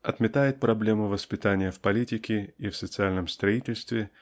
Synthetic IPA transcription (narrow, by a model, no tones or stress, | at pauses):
ɐt̪mʲɪt̪ajɪt̪̚pɾɐblʲe̞mɨvəspʲɪt̪anʲɪjəfpɐlʲitʲɪkʲɪifsət̪sɨalʲnəmst̪ɾɐitʲɪlʲst̪vʲɪ